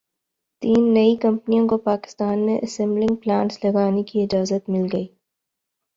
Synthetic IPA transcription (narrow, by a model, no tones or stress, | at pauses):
t̪iːnːɐikɐ̃mpnijõkopaːkɪ̥st̪aːnmẽʔɐsɛ̃mblɪ̃ŋɡ̚plaːnslɐɡaːnekiɪd͡ʒaːzət̪mɪlɡɐiː